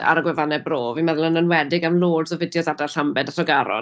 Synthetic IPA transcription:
a̰ɾəɡwɛvanɛbroːvimaðlˠənənwɛdɪɡamlˠoːdsɔvɪdjɔðadarɬambɛdatɔɡaɾɔ̰

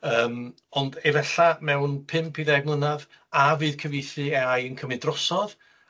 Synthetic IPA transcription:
əːm | ɔndevɛɬamɛwnpʰɪmpʰiðɛɡmlˠənað | avɨːð̥kʰəvejθɨɛajənkʰəmɨdrɔsɔð

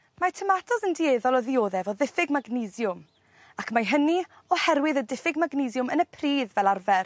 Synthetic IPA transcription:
matʰəmatʰɔsəndieːðɔlˠɔðɪoːðɛvɔðɪfɪɡmaɡnizjʊm | akʰmaɦəni | ɔhɛrwɨðədɪfɪɡmaɡnɪzjʊmənəpʰriːðvɛlˠarvɛr

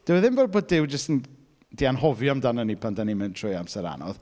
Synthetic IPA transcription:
d̥ɛwəðɪmvoːd̚boːd̚dɪwd͡ʒəstən | d̥ianhɔvjɔamdanənipʰandanimɪntʰrʊjamsɛɾa̰nɔ̰ð

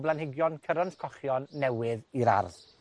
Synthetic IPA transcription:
blˠanhɪɡjɔnkʰəɾɔnskʰɔχjɔnːɛwɪðiɾa̰rð

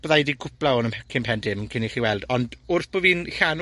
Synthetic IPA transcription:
b̥əðajdiɡʰʊplˠaɔːnəmʰɛkʰɪmpʰɛndɪmkʰɪniχiːwɛlˠdɔndʊrθb̥oːviːnɬan

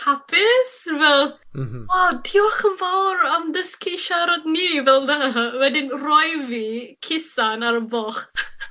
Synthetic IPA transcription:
hapʰɪsvɛlˠ | ɔdiwaχənvawɾamdəskʰeʃaɾɔdniːvɛlˠdaːwɛdɪnrɔjvikʰɪsanaɾəbɔχ

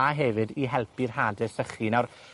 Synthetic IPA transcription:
aɦɛvɨdiɦɛlˠpʰirhɦaːdɨsəχinar

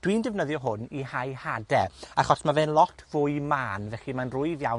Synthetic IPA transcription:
d̥wiːndɛvnəðjɔɦʊnihajhadɛaχɔsmavɛːnlˠɔtʰvʊːɨmaːnvɛχimanrʊɨðjaw

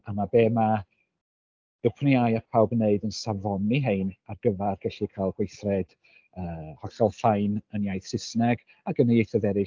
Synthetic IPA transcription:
amabeːma | b̥əpʰniajapʰawbneɨdənsavɔniɦejnarɡ̥əvɛrɡɛɬikʰalˠɡ̥wejθrɛd̥ | əːhɔɬɔlˠfajnənjajθsɪsnɛɡ | aɡənəjejθɔðɛɾɪ

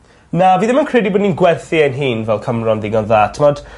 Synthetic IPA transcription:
naviːðɪmənkʰrɪdiboːdniːnɡwɛrθiənɦiːnvɛlˠkʰəmrɔnðɪɡɔnðaːtʰəmɔd̥

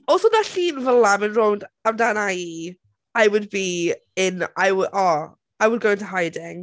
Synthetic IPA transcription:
ɔsonaɬiːnvəlˠamɪnrowndamdanai | ajwʊd̚bi | ɪnajwʔɔ | ajwəd̚ɡowɪ̃ntʰəɦajdɪŋ

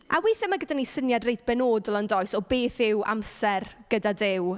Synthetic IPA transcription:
ʔa̰wɪːθɛmaɡədanisənjadrejtb̥ɛnoːdɔlˠəndɔjsɔbeːθɪwʔa̰msɛrɡ̥ədadɪw

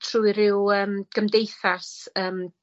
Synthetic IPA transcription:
tʰruːɨɾɪwəːmɡ̥əmdejθasəːm

